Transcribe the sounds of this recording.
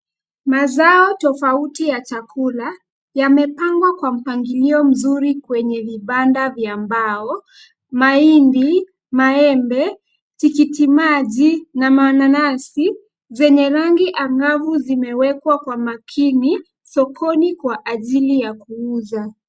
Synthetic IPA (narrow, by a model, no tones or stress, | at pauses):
mazaɔtɔfautijat͡ʃakula | jamɛpaŋɡwakwam̩paŋɡiliɔm̩zuɾikwɛɲɛviɓandavjambaɔ | maindi | maɛmbɛ | tikitimaʄinamananasi | zɛɲɛɾaŋɡiʔaŋɡavuzimɛwɛkwakwamakʰini | sɔkʰɔnikwaʔaʄilijakuuza